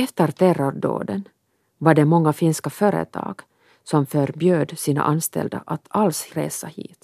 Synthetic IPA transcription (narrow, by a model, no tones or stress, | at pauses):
ɛft̪əɾt̪ʰærɔɾɖo̰ːd̪ən | vaɖɛmɔŋːafɪnskaføːɾə̰t̪ʰɑ̰ːɡ̥ | sɔmfœɾbjøːd̪siːna̰ʔanst̪ɛ̰ld̪a̰ʔat̪ʰalsɾeːsahḭːt̪